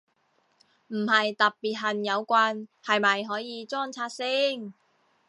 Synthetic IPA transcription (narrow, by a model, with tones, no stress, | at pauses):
m̩˨˩hɐ˨jt̪ɐ˨t̚pːiː˨˩t̚ɦɐ˨˩njɐ˨˧wkʷaː˧nhɐ˨jmɐ˨jɦɔː˨˥jiː˨˧t͡sɔː˥ŋt͡sʰaː˧t̚sɪ˥ŋ